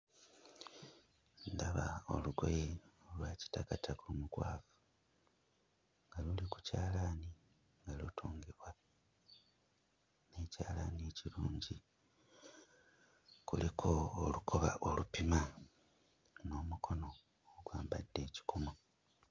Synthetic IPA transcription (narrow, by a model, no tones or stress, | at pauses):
ndaβao̞̰luɡo̞̰jeolwaːci̥takatʰakulumukwaːfu̥ | ŋɡaluliku̥caːlaːni | ŋɡalutʰoːŋɡeβwa | ne̞caːlanieciɾuːɲɟi | kulikʰoːlukʰo̞βa̰ʔolupima | no̞ːmukʰo̞no̞ː | ɡwaːmbadːe̞ːci̥kʰomo